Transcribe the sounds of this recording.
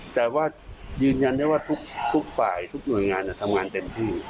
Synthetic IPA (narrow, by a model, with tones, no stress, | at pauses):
t̪ɛː˨˩waː˥˩jɯː˧nja˧nda˥˩˨jwaː˥˩t̪ʰu˦˥k̚t̪ʰu˦˥k̚faː˨˩jt̪ʰu˦˥k̚nu˨˩əjŋaː˧nːa˧˩t̪ʰa˧mŋaː˧nt̪e˧mt̪ʰiː˥˩